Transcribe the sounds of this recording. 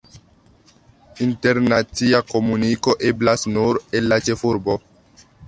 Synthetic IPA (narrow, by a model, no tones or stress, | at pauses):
inte̞ɾnat͡siako̞muniko̞ʔe̞blasnuɾe̞lːat͡ʃe̞fuɾbo̞